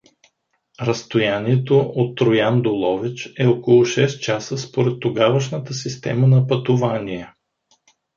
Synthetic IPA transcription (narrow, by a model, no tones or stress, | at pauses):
ɾɐst̪ojaniɛt̪oʔot̪ːɾojand̪olˠɔvit͡ʃɛokolˠʊʃɛst̪̚t͡ʃasəspoɾɛt̪ːoɡavəʃnət̪əsist̪ɛ̰mənɐpɐt̪ovaniɛ